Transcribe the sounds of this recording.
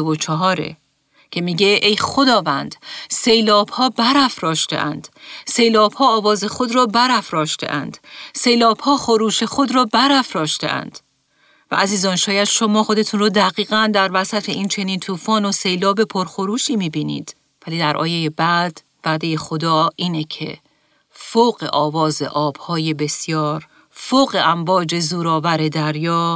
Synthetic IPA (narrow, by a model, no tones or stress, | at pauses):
vot͡ʃʰɒɦɒːɾḛ | cʰe̞miːɟe̞ʔejxo̞d̪ɒːvænd̪̥se̞jlɒːb̥hɒːbæɾæfɾɒːʃt̪ḛʔæ̰nd̪̥se̞jlɒːb̥hɒːvɒːze̞xo̞d̪ɾɒːbæɾæfɾɒːʃt̪e̞̰ʔæ̰nd̪̥se̞jlːb̥hɒːxo̞ɾuːʃe̞xo̞d̪ɾɒːbæɾæfɾɒːʃt̪e̞̰ʔæ̰nd̪̥ | væ̰ʔæziːzɒːnʃɒːjæd̪̥ʃo̞mɒːxo̞d̪e̞t̪ʰuːnrɔːd̪æɣiːɣænd̪æɾvæsæt̪ʰe̞iːnt͡ʃʰe̞niːnt̪ʰuːfɒːnose̞jlɒːbe̞pʰo̞ɾxo̞ɾuːʃiːmiːbiːnḭːd̪̥ | væliːd̪æɾʔɒ̰ːjeje̞bæd̪̥ | væːd̪eje̞xo̞d̪ɒːiːnecʰe̞̰ | foːɣḛʔɒːvɒːze̞̰ʔɒːb̥hɒːje̞be̞sjɒːɾ | foːɣe̞ʔæmbɒːd͡ʒe̞zuːɾɒːvæɾe̞d̪æɾjɒː